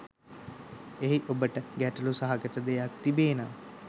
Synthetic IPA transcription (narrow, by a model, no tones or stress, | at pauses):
eɦiʔobəʈəɡæʈəlusaɦaɡət̪əd̪ejak̚t̪ibeːnaː